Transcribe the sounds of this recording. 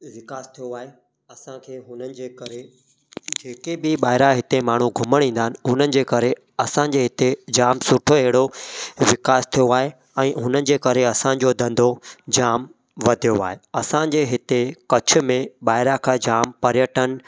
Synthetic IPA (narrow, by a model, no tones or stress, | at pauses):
ʋɪkaːst̪ʰijoaːɦe | ɐsãkʰeːɦʊnənɪ̆d͡ʑeːkɐɾe | d͡ʑeːkebɪɓaːɦɪɾaɦɪt̪emaːɳ̤uɡʱʊməɽ̃ĩːnd̪aːɪnɪ̆ɦʊnənɪ̆d͡ʑeːkɐɾe | ɐsã̆d͡ʑeːɦɪt̪ed͡ʑaːmsʊʈʰoɦeɦɽoʋɪkaːst̪ʰijoaːɦe | ɛ̃ːɦʊnənɪ̆d͡ʑeːkɐɾeɐsã̆d͡ʑod̪ʱɐ̃nd̪ʱod͡ʑaːm | ʋɐd̪ʱijoa̰ːɦeɐsãd͡ʑeːɦɪt̪ekɐt͡ɕʰʊ̆mẽɓaːɦɪɾakʰãːd͡ʑaːmpɐɾjəʈən̆